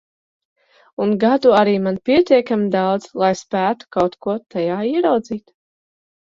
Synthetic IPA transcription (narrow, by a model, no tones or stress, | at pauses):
unɡad̪uaɾiːmanpʲiɛt̪iɛkamid̪awd̪zlˠajspæːt̪u̥kawt̪kuɔt̪ajaːiɛɾawd̪ziːt̪